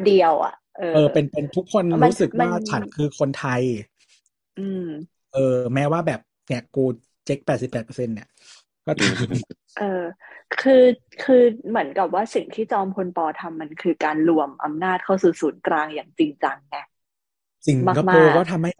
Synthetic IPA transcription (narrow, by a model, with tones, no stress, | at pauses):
di˧əwʔa̰˨˩ʔɤː˧ʔɤː˧pe˧npe˧nt̪ʰu˦˥kʰːo˧nɾuː˦˥sɯ˨˩k̚waː˥˩t͡ɕʰa˨˩t̪̚kʰɯː˧kʰo˧nt̪ʰa˧j | ʔɯː˧m | ʔɤː˧mɛː˦˥waː˥˩bɛː˨˩p̚ | ni˦˥˩koː˧ | t͡ɕe˦˥k̚pɛː˨˩t̪̚si˨˩pːɛː˨˩pɤ̥˧se˧nni˧˩ɐ | kɔː˥˩t̪aː˧m | ʔɤː˧kʰɯː˧ | kʰɯː˧mɯ˩˦ənka˨˩p̚waː˥˩si˨˩ŋt̪ʰiː˥˩t͡ɕɔː˧mkʰo˧npɔː˧t̪ʰa˧mːa˧nkʰɯː˧kaː˧nlu˧˨˩əmʔa̰˧mnaː˥˩t̪̚kʰa˥˩wsuː˨˩suː˩˦nkɾaː˧ŋjaː˨˩ŋt͡ɕi˧ŋt͡ɕa˧ŋnɛ˦˥ | si˨˩ŋmaː˥˩ka˧aːoː˧kɔː˥˩t̪ʰa˧mha˥˩